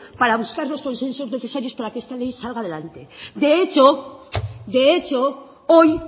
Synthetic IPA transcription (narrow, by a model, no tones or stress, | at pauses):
paɾaβ̞uskaɾlo̞sko̞nsẽ̞nsozne̞θe̞saɾjo̞spaɾakeest̪alejsalɣað̞e̞lant̪ed̪eet͡ʃo | d̪eet͡ʃo | oj